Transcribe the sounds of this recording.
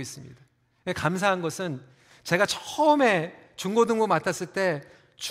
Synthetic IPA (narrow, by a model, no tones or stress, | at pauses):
is͈ɯmɲḭda | ekams̬ʰaɦanɡʌsʰɯn | t͡ɕe̞ɡat͡ɕʰʌ̥ʌme̞t͡ɕuŋɡodɯŋɡomatʰas͈ɯɭt͈e̞ | t͡ɕ